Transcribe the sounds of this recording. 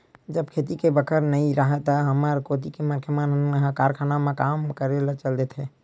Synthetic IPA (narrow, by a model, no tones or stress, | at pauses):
d͡ʒəbkʰet̪ikebəkʰəɾnəiɾaɦɛt̪əɦəməɾkot̪ikeməɾkʰemanɦkaɾkʰanamekamkəɾelət͡ʃəld̪ɛt̪ʰɦɛ